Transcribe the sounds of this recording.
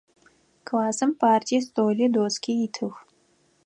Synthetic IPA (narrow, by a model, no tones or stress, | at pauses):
kʰvaːzɨmpaːrtʲʰijɛst̪ʼoːlʲidoːskʲʰiitʰɨx